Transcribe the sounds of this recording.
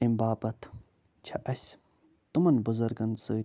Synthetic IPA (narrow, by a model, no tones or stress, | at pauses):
imbaːbɐt̪ʰ | t͡ʃʰɐʔɐsʲ | t̪umɐnbuzɐɾɡɐnsɨ